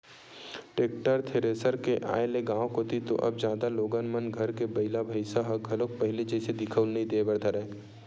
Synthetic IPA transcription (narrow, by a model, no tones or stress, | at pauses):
ʈeːk̚ʈəɾt̪ʰeːɾeːsəɾkeʔa̰ːeleɡãːw̃koːt̪it̪o̰ʔɐ̰bd͡ʒjaːd̪aloːɡanmənɡʱɐɾkebɐɪlabʱɐɪsaɦɐɡʱɐlok̚pɐɦɪled͡ʒɛːsed̪ɪkʰəʊlnɐĩd̪eːbɐɽd̪ʱaɾɛː